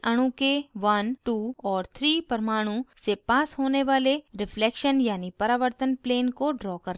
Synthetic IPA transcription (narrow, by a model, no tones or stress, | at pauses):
ɐɽ̃ũkeʋɐnʈuːɔːɾt̪ʰɾiːpəɾmaːɽ̃ũsepaːsɦoːneʋaːleɾɪfʰlɛːkʃənjaːnipɐɾaːʋəɾt̪ənpleːnkoɖɾɔːkɐɾ